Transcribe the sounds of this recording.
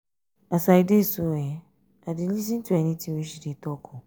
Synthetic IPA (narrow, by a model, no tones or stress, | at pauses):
asaidesuɛ | adɪn̩ĩs̬ĩn̩tʰuɛnĩtʰĩeɕiditɔkʰʊ